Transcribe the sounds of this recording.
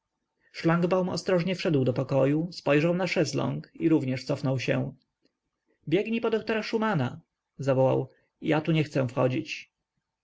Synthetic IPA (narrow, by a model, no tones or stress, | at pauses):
ʂlaŋɡbawmɔ̰st̪ɾɔʐɲɛfʂɛd̪wd̪ɔpɔkɔjuspɔjʐawnaʂɛzlɔ̰ŋkiɾuvɲɛʂt̪sɔfnɔwɕɛ̃ | bʲjɛɡɲipɔd̪ɔk̚t̪ɔɾaʂumana | zavɔwa̰w | jat̪uɲɛxt̪sɛ̃fxɔd͡ʑit͡ɕ